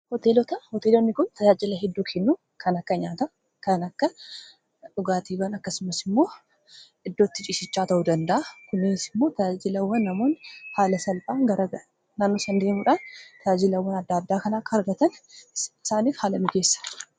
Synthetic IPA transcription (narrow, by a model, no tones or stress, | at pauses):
hɔt̪eːlɔt̪ɐhɔt̪eːlonːɪkʊnt̪ʰɐd͡ʒaːd͡ʒɪlɐɦɛd̪ːuːkʰɛnːuː | kʰɐnɐkːɐɲaːt̪ɐ | kɐnɐkːɐ | ᶑʊɡaːt̪iːɡaːnɐkːɐsʊmɐsɪmːo̞ː | ɪd̪ːot̪ːɪt͡ʃʼɪʃɪt͡ʃːaːt̪ɐʔud̪ɐnd̪ɐʔɐkʊnːɪsɪmːo̞ːt̪ɐd͡ʒaːd͡ʒɪlɐwːɐnːɐmo̞ːnhaːlɐsɐlbaːŋɡɐɾʔɐɡɐʔɐ | naːnːoːsɐnd̪e̞ːmuᶑaːnt̪ʰɐd͡ʒaːd͡ʒɪlɐwːɐnɐd̪ːaːd̪ːaːkɐnaːkɐɐɾɡɐt̪ɐnɪsaːniːfhaːlɐmɪɡe̞ːsːɐ̥